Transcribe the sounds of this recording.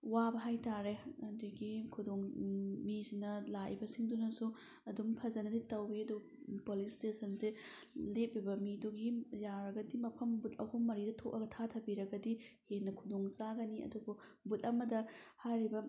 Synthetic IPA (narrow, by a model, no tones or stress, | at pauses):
wabɐɦajtʰaɾeɐduɡikʰudoŋmisinɐlaʔḭbɐsiŋdunɐsu | ɐdumpʰɐzɐnɐditɐwiɐdu | polistesʰɐnse | lep̚bibɐmiduɡijaɾɐɡɐdimɐpʰɐmbut̚ɐhumːɐɾidɐtʰoʔɐɡɐtʰatʰɐbiɾɐɡɐdihenːɐkʰudoŋsaɡɐniɐ̰dububut̚ɐmɐdɐhajɾibɐ